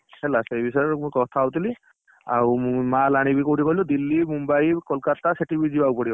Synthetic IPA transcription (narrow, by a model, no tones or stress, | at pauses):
hɛlasejbisɔmkɔtʰawt̪ili | a̰ɹumalañibikowtikoilʊd̪ilːimumbajkɔlkataseʈibizibaupɔɾi